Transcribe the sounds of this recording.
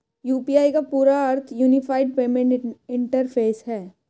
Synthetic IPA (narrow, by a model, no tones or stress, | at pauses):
juːpiaːikapuːɾaɐɾt̪ʰjuːnɪfaːɪɖ̚peːmẽɳɪ̃ɳʈəɾfʰeːsɦɛː